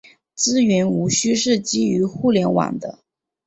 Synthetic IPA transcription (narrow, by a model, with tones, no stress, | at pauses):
t͡sɹ̩˥ɥɛ˧˥nu˧˥ɕy˥ʂɻ̩˥˩t͡ɕi˥y˧˥xu˥˩ljɛ˧˥nwa̰˨˩nd̪ə̰˦